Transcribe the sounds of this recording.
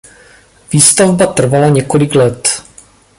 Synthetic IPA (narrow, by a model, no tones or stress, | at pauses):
viːst̪avbat̪r̩valaɲɛkolɪklɛt̪